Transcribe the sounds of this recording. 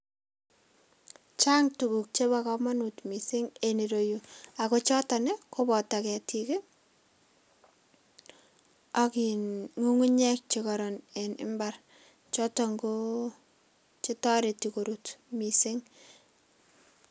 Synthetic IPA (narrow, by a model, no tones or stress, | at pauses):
t͡ʃaŋtukuk̚t͡ʃebakɔmanutmisɪŋeniɾojuakot͡ʃɔtanekobɔtakɛtʰike | akiŋuŋuɲɛk̚t͡ʃikɔɾɔnenɪ̰mbar | t͡ʃɔtɔŋɡo | t͡ʃitɔɾetikoɾutmisɪŋ